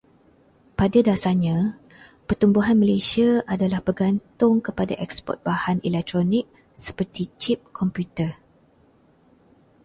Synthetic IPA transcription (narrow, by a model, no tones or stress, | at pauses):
padadasaɲã | pərt̪umbuɦanməlesiaʔadalahbərɡant̪ʊŋkəpada̰ʔɛkspɔ̰t̪̚b̥ahanʔilɛk̚t̪ɾɔnɪk̚ | sə̥pərt̪it͡ʃip̚kʰɔmpjut̪ə